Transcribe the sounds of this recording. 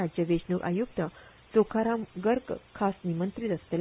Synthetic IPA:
ad͡ʑjəʋeɕnukʔa̰juk̚t̪ə | t͡sokʰaɾamɡəɾkkʰasnimənt̪ɾit̪əslel

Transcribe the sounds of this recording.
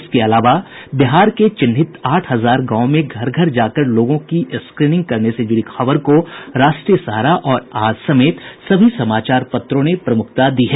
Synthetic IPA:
skeɐlaːʋa | bɪɦaːɾket͡ʃɪnɦɪt̪aːʈʰɦɐzaːɾɡãːõmẽɡʱɐɾɡʱəɾd͡ʒaːkəɾloːɡõkiskɾiːnɪ̃ŋɡ̚kɐɾnesed͡ʒʊɾikʰɐʋəɾkoɾaːʃʈɾijəsɐɦɾaʔɔːɾaːd͡ʒsɐmeːt̪sɐbʱisɐmaːt͡ʃaːɾpɐt̪ɾõnepɾɐmʊk̚ʰt̪ad̪iːɦɛː

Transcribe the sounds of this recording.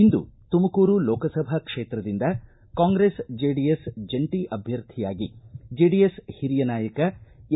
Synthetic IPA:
ind̪ṵt̪umɐkuːɾulɔːkɐsɐbʱɐkʂeːt̪ɾɐd̪ind̪ɐ | kaːŋɡɾesd͡ʒeːɖijesd͡ʒeɳʈiʔɐbʱjɐɾt̪ʰijaːɡid͡ʒeːɖijeshiɾijɐnaːjɐkɐ

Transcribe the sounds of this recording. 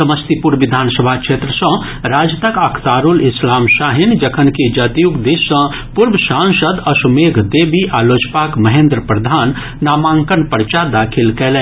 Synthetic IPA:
səməst̪ipuɾʋid̪ʱaːnsəbʱakʃʰeːt̪ɾəsə̃ | ɾaːd͡ʒət̪əkɐkʰt̪aːɾulɪslaːmʃaɦind͡ʒəkʰənkid͡ʒat̪ijukd̪eʃə̃ | puɾbəsãnsəd̪ɐsumeːɡʱd̪ebiʔaːloːt͡ʃpakməɦẽnd̪ɾəpɾəd̪ʱaːnː | aːmãːŋkənpəɾt͡ʃad̪akʰilkeːlɛ̃

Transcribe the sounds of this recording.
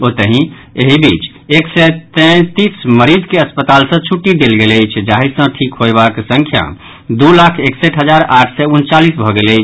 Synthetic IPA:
ot̪əɦĩ | eɦibit͡ʃ | eksɛt̪ɛ̃t̪isməɾid͡ʒkeəspət̪alsə̃t͡ʃʰuʈːid̪elɡeləjt͡ʃʰd͡ʒaɦisə̃ʈʰikɦoebaksə̃ŋkʰja̰ | d̪ulakʰekseʈʰɦəd͡ʒaɾaʈʰsɛunt͡ʃalisbʱɔɡeləjt͡ʃʰ

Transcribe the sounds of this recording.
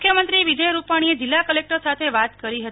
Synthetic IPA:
kʰjəmənt̪ɾiʋid͡ʒəjɾupaɽ̃ied͡ʒɪlːakəlek̚ʈəɾsat̪ʰeʋat̪kəɾiɦət̪

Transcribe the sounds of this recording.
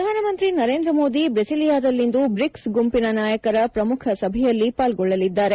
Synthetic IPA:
ɾɐd̪ʱaːnɐmɐnt̪ɾinɐɾeːnd̪ɾɐmo̞ːd̪ibɾɐsilijaːd̪ɐlːind̪ubɾiksɡumpinɐnaːjɐkɐɾɐpɾɐmukʰɐsɐbʱɛjɐlːipaːlɡɔɭːɐlid̪ːaːɾe

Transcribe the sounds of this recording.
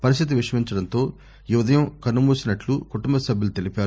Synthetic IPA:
pɐɾist̪it̪iʋiʂɐmiɲt͡ʃɐɽɐnt̪o̞ː | juʋɐd̪ʱɐjɐmkɐnːumuːsinɐʈlukuʈumbɐsɐbʱjɐlut̪e̞lipaːɾu

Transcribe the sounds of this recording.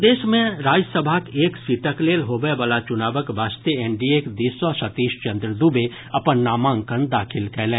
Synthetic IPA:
d̪eːʃmẽɾaːd͡ʒsəbʱakeːksiːʈəkleːlɦobəeʋalat͡ʃʊnaːʋəkbaːst̪eeːɳɖieːkd̪iːswaʃət̪iːʃt͡ʃə̃nd̪ɾəd̪uːbe | ɐpənːaːmãːŋkənd̪aːkʰɪlkɛːlẽː

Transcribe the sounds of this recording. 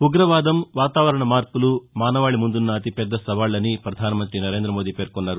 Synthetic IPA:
uɡɾɐʋaːd̪ɐmʋaːt̪aːʋɐɾɐɳɐmaːɾpulumaːnɐʋaːɭimund̪unːɐːt̪ipɛd̪ːɐsɐʋaːɭːɐnipɾɐd̪ʱaːnɐmɐnt̪ɾinɐɾeːnd̪ɾɐmo̞ːd̪iːpeːɾkɔnːaːɾu

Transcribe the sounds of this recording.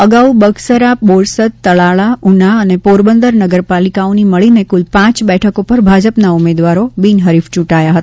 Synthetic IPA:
əɡaubəɡsəɾaboɭsət̪t̪ːəɭaɭaunaənepoɾbənd̪əɾnəɡəɾpalikaoniməɭinekulpãt͡ʃbɛʈʰəkopəɾbʱad͡ʒəpnaumed̪ʋaɾobinɦəɾift͡ʃũʈajaɦət̪a

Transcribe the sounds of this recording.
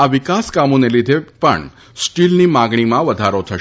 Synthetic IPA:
aʋikaskamonelid̪ʱepə̰ɳ | sʈilnimaɡɳ̃imãʋəd̪ʱaɾot̪ʰəʃ

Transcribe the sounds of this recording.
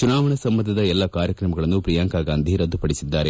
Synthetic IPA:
t͡ʃunaːʋɐɳɐsɐmːɐnd̪ʱɐd̪ɐɛlːɐkaːɾjɐkɾɐmɐɡɐɭɐnːupɾijaːŋkaːɡaːnd̪ʱiɾɐd̪ːupɐɽisid̪ːaːɾe

